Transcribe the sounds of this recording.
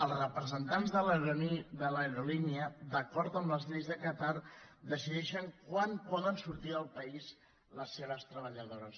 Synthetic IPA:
əlˠzrəpɾəzənt̪anzðələɾoniðələɾoliniəd̪əkɔɾt̪əmləzʎejzðəkət̪aɾd̪əsiðɛʃəŋkwanpɔðənsuɾt̪iəlˠpəiz | ləsːeβəst̪ɾəβ̞əʎəðoɾəs

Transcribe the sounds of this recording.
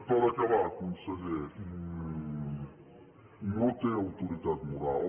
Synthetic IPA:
pɔðɐkɐβaɾkõnd̪sɐβeɾi | nɐ̃w̃t̪ẽɾawt̪uɾiðaðmuɾalˠ

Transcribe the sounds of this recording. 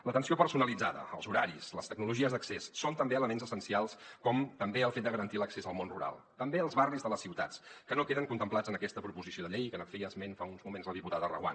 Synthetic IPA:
lət̪ənsiopəɾsunəlid͡zaðə̰ə̰lˠzuɾaɾisləst̪əɡ̚nuluʒiəzðəksesːont̪əmbeələmenzəsənsialˠskɔmt̪əmbeəlˠfet̪d̪əɣəɾənt̪iləksezəlˠmonrṵɾa̰lˠt̪əmbeəlˠzβarizðələsiwt̪a̰t͡skənokeðəŋkunt̪əmplˠad͡zənəkɛst̪əpɾupuzisjoðəʎejkənəkfiəzmenfaunzmumenzləðiput̪aðərə̰ɣwa̰n

